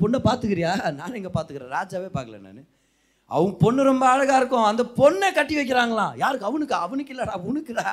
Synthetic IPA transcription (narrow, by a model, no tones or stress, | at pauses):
pɔnːɐpaːɾt̪ɯkɪɾɪjaːnaːnɛŋɡɐpaːɾt̪ɯkɪɾḛ̃ːɾaːd͡ʒaːʋeːpaːɾkɾɐ̰nːɐ̰nɯ | ɐ̰ʋɐŋɡɐpɔɳːɯɾɔmbɐɐɻɐɣaːɪɾɯkːʊ̃ɐnd̪ɐpɔɳːeːkɐʈːiʋɐɪk̬ːɪɾaːŋɡɐlãːjaːɾɯkːɐʋɐnɯkːaːɐʋɐnɯkːɪlːɐɽaːʊnɯkːɯðaː